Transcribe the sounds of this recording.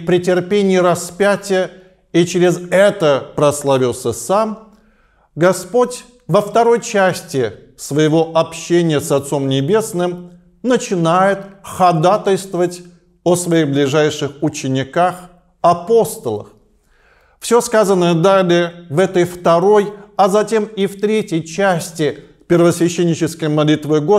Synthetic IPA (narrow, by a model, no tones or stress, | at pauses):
pɾʲɪtʲɪrpʲenʲɪɪɾɐspʲætʲɪjə | it͡ɕɾʲɪzɛt̪əpɾəslˠavʲilˠsʲəsam | ɡɐspo̞tʲ | vəft̪ɐɾo̞jt͡ɕæsʲtʲɪ | svəjɪvo̞ʔɐpɕːenʲɪjəsɐt̪so̞mnʲɪbʲe̞snɨm | nət͡ɕɪnajɪt̪xɐd̪at̪əlʲst̪vəvətʲ | osvɐiɣblʲɪʐajʂɨxʊt͡ɕɪnʲɪkax | ɐpo̞st̪əlˠə̰x | fsʲo̞skazənəjəd̪alʲɪəvɛt̪əjft̪ɐɾo̞jɐzɐtʲe̞mift̪ɾʲetʲjəjt͡ɕæsʲtʲɪ | pʲɪrvəsvʲɪɕːenʲːɪt͡ɕɪskəjmɐlʲit̪vɨɡo